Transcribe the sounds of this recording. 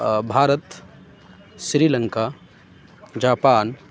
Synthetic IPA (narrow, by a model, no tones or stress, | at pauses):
bʱaːɾət̪ | ʃɾiːlə̃ŋkaː | d͡ʒaːpaːn